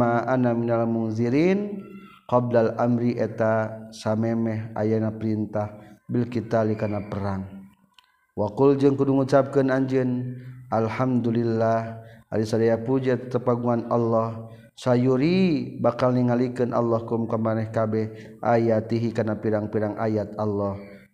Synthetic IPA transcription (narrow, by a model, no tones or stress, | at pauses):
aʔanaminalmunziɾin | qɔb̚lalamɾiʔɛt̪asamɛmɛɦa̰janapəɾint̪ahbilkit̪alikanapəɾaŋ | wakuld͡ʒɨŋkuduŋut͡ʃap̚kənaɲd͡ʒɨnʔalhamd̪ulilːaha̰lisadajapud͡ʒat̪t̪əpaɡuŋanalːɔh | sajuɾibakalniŋalikɨnʔa̰lːɔhkumkamanɛhkabɛh | ʔa̰jat̪iɦikanapiɾaŋpiɾaŋʔajat̪alːɔh